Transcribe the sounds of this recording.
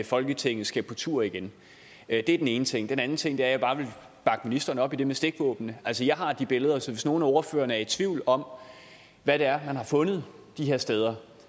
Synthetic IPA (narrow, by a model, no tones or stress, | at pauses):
fɒ̽lɡ̥ət͡sʰeŋ̰ð̩ˠsɡ̥æpʰɒ̽t͡sʰṵɐ̰iɡ̥en | d̥e̝æɐd̥ene̝ːnət͡sʰe̝ŋ̰d̥enæn̩t͡sʰe̝ŋ̰d̥eæɐjɑ̈b̥ɑ̈ːʋe̝l | b̥ɑ̈ɡ̥əminisd̥ɐnəɒ̽b̥id̥e̝mesd̥e̝ɡ̥ʋɔ̰ːb̥n̩əæl̰səjɑ̈ɪɦɑ̈d̥ib̥e̝ləð̞̩ˠɐsɒʋe̝sno̝ːn̩æɒɐfø̰ːɐnəæɐed̥t͡sʰʋiʊ̰lɒ̽m | ʋæɾ̥eæɐmænhɑ̈fɔ̽nəð̞̩ˠ | d̥iɦe̝ɐsd̥eːð̞ˠɐ